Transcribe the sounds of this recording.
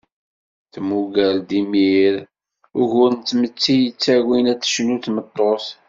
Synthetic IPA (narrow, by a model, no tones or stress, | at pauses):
θmuɡæld̪imiɾ | ʊʝʊɾnt̪ːmət͡sːijət͡sːæwinæt͡sːə̥ʃnuθmət̪ˤːos